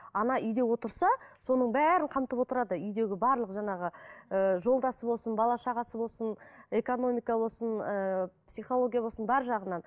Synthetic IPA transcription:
ɑnɑʔʏjd̪e̞wo̞t̪əɾsɑso̞nəɴbæɾɪɴqʰɑmt̪əpwo̞t̪əɾɑd̪əʏjd̪e̞ɡʲɪbɑɾlˠəqʒɑɴɑʁəəʒo̞lˠd̪ɑsəbolˠsənbɑlˠɑʃɑʁɑsəbo̞lˠsəne̞kono̞mʲijkɑbo̞lˠsənəpsijχo̞lˠoɡʲijabo̞sənbɑɾʒɑʁənɑn

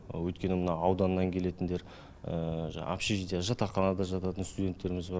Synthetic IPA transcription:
wɵjt̪̚kʲe̞nɪmənɑɑwd̪ɑnːɑŋkʲʰe̞le̞t̪ɪnd̪e̞ɾ | ə̰ʒa̰pʃiʒd̪ijaʒɑt̪ɑqɑnɑd̪ɑʒɑt̪ɑt̪ənst̪ud̪ʲe̞nt̪ːe̞ɾɪmɪzbɑɾ

